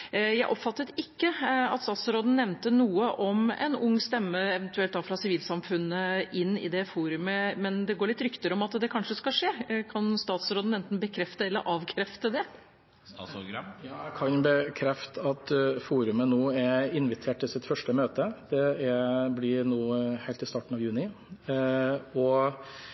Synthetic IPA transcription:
jæɪʔɔpfɑt̪ːət̪ɪkːəɑ̰t̪st̪ɑːt̪sɾoːd̪n̩ːɛʋnt̪ənuːəʔɔmɛ̰nʊŋːst̪ɛmːəɛʋɛnt̪ʉɛlt̪̚ːɑːfɾɑsɪʋiːlsɑmfʉnːəʔɪnːɪ̰d̪ɛfuːɾʉməmɛnd̪ɛɡoːɭɪt̪ɾʏkt̪əɾəɔmɑt̪d̪ɛkʰɑnʂəskɑlʂeːkʰɑnst̪ɑːt̪sɾoːd̪n̩ɛnt̪n̩bəkʰɾɛft̪əɛlːəɾʔɑːʋkʰɾɛft̪əd̪ɛ | jɑːkʰɑnbəkʰɾɛft̪əɑt̪fuːɾʉmənoːæɾɪnʋɪt̪ʰeːʈ̪ːɪlsɪt̪fœʂʈəmøːt̪əd̪̥ɛæblɪnuːhæɪlt̪ɪst̪ɑːʈn̩ɑʋjʉːnɪ | ɔ

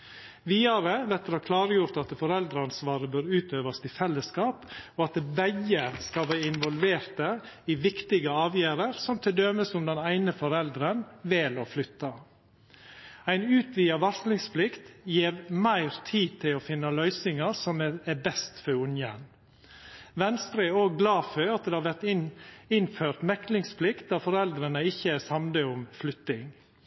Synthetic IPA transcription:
ʋiːɑɾəʋæɾt̪ɛɾhɑːkʰlɑːɾəjʊɾt̪ɑt̪fɔɾɛld̪ɾɑnsʋɑːɾəbøːɾʉːt̪øːʋɑst̪ʰɪfɛlːəskɑːpɔɑt̪bæɡːəskɑlʋæɪnʋɔlʋeːɾt̪ə | ɪʋɪkt̪ɪɡəɑːʋjæːɾəɾsɔmt̪ʰɪld̪œːməsʊmd̪ɛnæɪnəfɔɾɛld̪ɾənʋɪlɔflʏt̪ːɑ | æɪnʉːt̪ʋiːɑʋɑɾslɪŋspʰlɪkt̪jeːɾmæɪɾt̪ʰiːt̪ʰɪlɔfɪnːɑlœʏsɪŋɑɾsɔmɛbɛst̪fɔɾʊnjə̰n | ʋɛnst̪ɾəɛoːɡɡlɑːfœɾɑt̪̚d̪ɛhɑʋæɾt̪ɪnføːɾt̪mɛklɪŋspʰlɪkt̪̚d̪ɑːfɔɾɛld̪ɾənəɪçːəsɑmd̪əʊmflʏt̪ːɪŋ

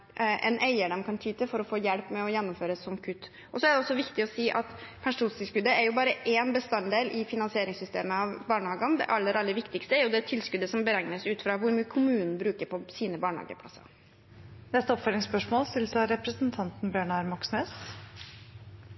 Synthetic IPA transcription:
ʔɛnʔeɪəɖɑmkʰɑnt̪ʰyːt̪əfɔɾɔfoːjɛlpːmɛɔjɛnːʊmføːɾəsɔmkʰʉt̪ː | ʔɔsɔæɖɛɔsːɔʋɪkt̪ɪɔsiːʔɑt̪pʰæʂuːnst̪ʰɪlskʉd̪əæɾjʊbɑːɾəʔeːnbəst̪ɑnd̪eːlʔɪfɪnɑnsɪeːɾɪŋsʏst̪ḛːməɑʋbɑːɳəhɑːɡɑnd̪ɛ̰ʔɑlːəɾʔɑlːəɾʋɪkt̪ɪkst̪əæɾjʊd̪ɛt̪ʰɪlskʉd̪əsɔmbəɾæŋnəsʉːt̪fɾɑːʋʊɾmyːəkʰʊmʉːnn̩bɾʉːkəɾpʰɔsiːnəbɑːɳhɑ̰ːɡə̰pʰlɑsɑ̰ | nɛst̪əɔpfœlɪŋspœʂmoːlst̪ɪlsɑɾɛpɾəsnt̪ʰɑnt̪n̩bjøːɳɑɾmɑksneːs

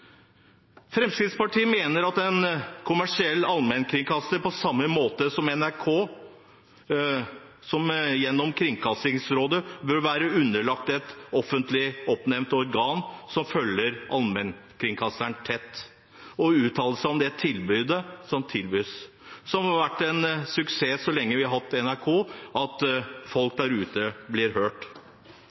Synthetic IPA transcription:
fɾɛmskɾɪt̪spɑʈʰiːmeːnəɾɑt̪ɛnkʰʊmæʂɪɛlːɑlmɛnkʰɾɪŋkʰɑsəɾpɔsɑmːəmoːt̪əsɔmɛnæɾkʰoː | sɔmjɛnːɔmkʰɾɪŋkʰɑsɪŋsɾoːd̪əbœɾʋæːɾəʉnːəɭɑkt̪ɛt̪ɔfːənt̪lɪɔpnɛmnt̪ɔɾɡɑːnsɔmfœlːəɾʔɑ̰lmɛnkʰɾɪŋkʰɑsəɳt̪ʰɛt̪ː | ɔʉːt̪ʰɑːləsɔmd̪ɛt̪ʰɪlbʏd̪əsɔmt̪ʰɪlbyːs | sɔmhɑɾʋæʈːɛnsʉkseːsɔlɛŋːəʋɪɑhɑt̪ːɛnæɾkʰoːʔɑt̪fɔlk̚d̪æɾʉːt̪əblɪɾhøːʈ

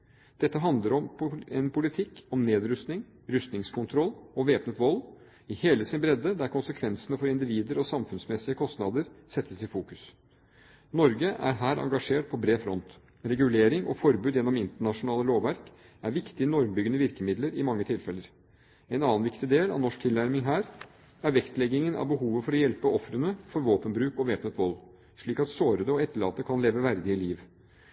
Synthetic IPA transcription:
d̪̥ɛt̪ːəɦɑnd̪ləɾɔmɛnpʰʊlɪt̪ʰɪkːɔmneːd̪ɾʉst̪nɪŋ | ɾʉst̪nɪŋskʰʊnt̪ʰɾɔlːɔʋeːpnət̪ʋɔl | ɪheːləsɪnbɾɛd̪əd̪æɾkʰʊnsəkʰʋɛnsənəfɔɾɪnd̪ɪʋiːd̪əɾɔsɑmfʉnsmɛsɪəkʰɔst̪nɑd̪əɾsɛt̪ʰːəsɪfuːkʉ̥s | nɔɾɡəʔæ̰ɾɦæːɾɑ̰ŋɡɑʂeːʈpʰɔbɾeːfɾɔnt̪ | ɾɛɡʉleːɾɪŋɔ̰fɔɾbʉːd̪jɛnːɔmɪnt̪əɳɑʂʊnɑːləloːʋʋæɾk | æɾʋɪkt̪ɪənɔɾmbʏɡənəʋɪɾkəmɪd̪ləɾɪmɑŋːət̪ʰɪlfɛlːəɾ | ɛnɑːnʋɪkt̪ɪd̪eːlɑ̰ʋnɔʂk̚t̪ʰɪlnæɾmɪŋɦæːɾ | æɾʋɛkt̪lɛɡːɪŋənʔɑ̰ʋbəɦuːʋəfɔɾɔjɛlpəʔɔfɾənəfɔɾʋoːpənbɾʉːkɔʋeːpnət̪ʋɔl | ʂɭiːkɑt̪soːɾəd̪əɔɛt̪ʰːəɭɑ̰ːt̪əkʰɑnleːʋəʋæɾd̪ɪɪliːʋ

